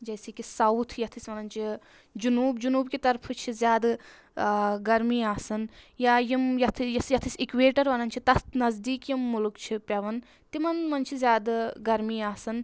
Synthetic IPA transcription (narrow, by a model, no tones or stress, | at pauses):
d͡ʒɐjsikisɐwt̪ʰjɐt̪ʰisʋɐnɐnt͡ʃʰi | d͡ʒunuːbd͡ʒunuːbkit̪ɐɾpʰɨt͡ʃʰizʲjaːd̪ | ɡɐɾmiːaːsɐnjaːjimjɐt̪ʰjɐsjɐt̪ʰisikʋeːʈɐɾʋɐnɐnt͡ʃʰit̪ɐt̪nɐzd̪iːkjimːʊlukt͡ʃʰipʲjɐʋɐn | t̪imɐnmɐnt͡ʃʰizʲjaːd̪ɡɐɾmiːaːsɐn